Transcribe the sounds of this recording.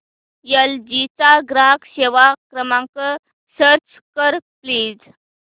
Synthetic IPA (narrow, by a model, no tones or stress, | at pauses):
jəld͡ʑit͡saɡɾakɕeʋakɾəmãŋkə | səɾt͡s | kəɾpliːd͡z